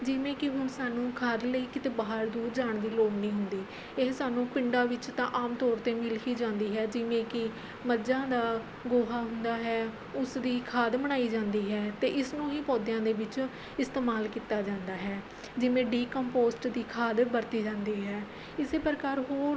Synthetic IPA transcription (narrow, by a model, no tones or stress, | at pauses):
d͡ʒɪʋẽːkɪɦʊnsaːnũːkʰəɾləiːkɪt̪eːbaːɦəɾd̪uːɾd͡ʒaːɳd̪iːloːmnĩːɦʊnd̪iː | eːsaːnũːpɪɳɖaːʋɪt͡ʃt̪ãːʔaːmt̪ɔːɾt̪eːmɪlkʰiːd͡ʒãːnd̪iːɦɛːd͡ʒɪʋẽːkɪ | məd͡ʒãːd̪aː | ɡoːɦaːɦʊnd̪aːɦɛː | ʊsd̪iːkʰaːd̪məɽ̃aːiːd͡ʒãːnd̪iːɦɛːt̪eːʔɪsnũːɦiːpɔːd̪jãːd̪eːʋɪt͡ʃ | ɪst̪eːmaːlkiːt̪aːd͡ʒãːnd̪aːɦɛː | d͡ʒɪʋẽːɖiːkɔ̃mpoːsʈd̪iːkʰaːd̪bəɾt̪iːd͡ʒãːnd̪iːɦɛː | ɪseːpɾəkaːɾɦoːɾ